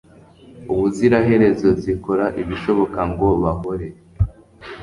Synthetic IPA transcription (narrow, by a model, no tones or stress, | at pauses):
uβuziɾaɦe̞ɾe̞zo̞ziko̞ɾaʔiβiʃo̞βo̞kaŋɡo̞βaɦoɾe̞